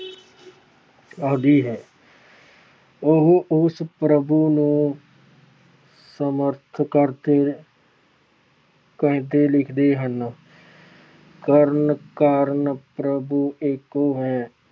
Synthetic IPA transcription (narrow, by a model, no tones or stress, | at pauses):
əːd̪iːɦɛː | ʊɦʊspɾəbunũː | səməɾt̪ʰkəɾt̪e | kɛɦt̪eːlɪkʰd̪eːɦən | kəɾənkaːɾnpɾəbueːkoːɦɛː